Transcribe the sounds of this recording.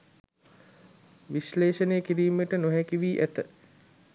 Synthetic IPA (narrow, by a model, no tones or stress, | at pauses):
ʋisleːʃənejkiɾiːmeʈənoɦækiʋiːʔæt̪ə